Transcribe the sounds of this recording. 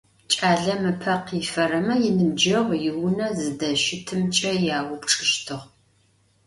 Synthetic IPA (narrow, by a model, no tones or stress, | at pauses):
t͡ʃʼaːɮɐmɨpʰɐqiːfɐrɐmɐjɪnɨmd͡ʒɐʁjɪwʊnɐzɨdɐʃɪtʰɨmt͡ʃʼɐjaːwʊpʈ͡ʂʼɨʃtʰɨʁ